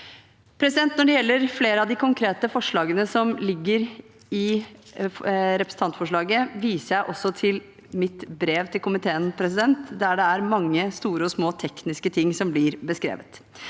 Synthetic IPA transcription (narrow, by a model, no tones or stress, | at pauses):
pʰɾɛs̬ɪd̪ɛnt̪nɔɖɛjɛlːəɾfleːɾəɑʋd̪ɪkʰʊŋkʰɾeːt̪əfɔʂɭɑːɡənəsɔmlɪɡːəɾ | ɪ | ɾɛpɾəsn̩t̪ɑnt̪fɔʂɭɑːɡəʋiːsəæɪʔɔsːɔt̪ʰɪl | mɪt̪bɾeːʋt̪ʰɪlkʰʊmɪt̪ʰeːənpʰɾɛsɪd̪ɛnt̪d̪æɖɛæɾmɑŋːəst̪uːɾəɔsmoːt̪ʰɛknɪskət̪ʰɪŋːsɔmblɪɾbəskɾḛːʋət̪